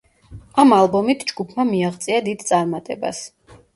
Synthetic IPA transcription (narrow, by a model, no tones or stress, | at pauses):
amalˠbɔmit̪ʰd͡ʒɡupʰmamiaʁt̪sʼiad̪id̪t̪sʼaɾmat̪ʼɛ̰ba̰s